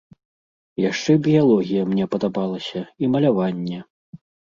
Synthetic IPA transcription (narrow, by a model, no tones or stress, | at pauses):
jaʂt͡ʂɛbʲijalˠɔɣʲijɐmnʲɛpɐd̪abalˠɐsʲɐimɐlʲavanʲːɛ